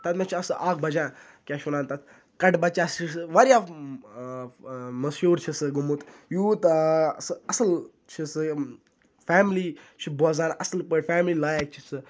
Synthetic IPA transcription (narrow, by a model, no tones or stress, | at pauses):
t̪ɐt̪mãt͡ʃʰiɐsɨʔaːɡ̚bɐd͡ʒãː | kʲaːʃunaːnt̪ɐt̪ʰ | kɐʈbɐt͡ʃaːst͡ʃʰisɨʋɐɾjaː | mɐsjuːɾt͡ʃʰisɨɡumut̪juːt̪sɨɐsɨl | t͡ʃʰisɨ | faːmliːt͡ʃʰibɔːzaːnʔɐsɨlpəʈʲfaːmlilaːjək̚t͡ʃʰisɨ